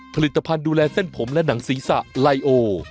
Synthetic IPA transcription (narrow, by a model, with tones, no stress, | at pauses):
pʰa˧li˨˩t̪ːa˧pʰa˧nduː˧lɛː˧se˥˩npʰo˩˦mlɛ˦˥na˩˦ŋsiː˩˦sa̰˨˩ʔla˧jʔoː˧